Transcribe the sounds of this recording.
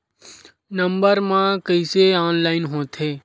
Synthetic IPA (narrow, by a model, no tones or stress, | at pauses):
nəmbəɾmãːkəɪseaːnlaːɪnɦõːt̪ʰeː